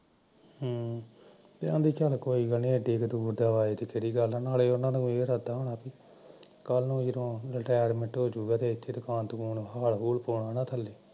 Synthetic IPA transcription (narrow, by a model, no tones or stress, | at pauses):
ɦː | t̪eãːnd̪iːkəlkoːiːɡəlnĩːɛʈeːkd̪uːɾd̪aːʋaːeːt̪eːkeɽiːɡəlãnaːleːʊnãːnũːeːɾaːd̪aːɦoːɳaːpiː | kəlnũːd͡ʒədõːɾɪʈaːjɾmɪ̃ɳʈɦoːd͡ʒuːɡaːt̪eːɪt̪ʰːeːd̪ʊkaːnt̪kuːnɦaːlɦuːlpoːɳaːnaːt̪ʰəlːeː